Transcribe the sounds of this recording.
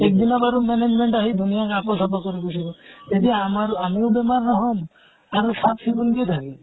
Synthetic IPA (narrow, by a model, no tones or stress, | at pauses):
ekd̪inɔbaɾumened͡ʒmeɳʈaɦid̪ʱunijakakɔsɔpɔkɔɾibusʰibɔed̪iamaɾamiwbemaɾnɔɦɔm | aɾsapsibunɡed̪ʱaɦi